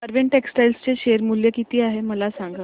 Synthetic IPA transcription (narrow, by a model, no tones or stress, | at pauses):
əɾʋeɳʈeksʈajlst͡seɕeɾmuljəkit̪iːaɦeməlasaŋɡə